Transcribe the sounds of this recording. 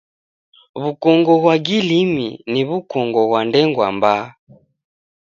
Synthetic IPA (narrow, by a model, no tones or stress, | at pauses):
βukɔŋɡɔβwaɡiliminiβukɔŋɡɔɣwandɛŋɡwa̰mba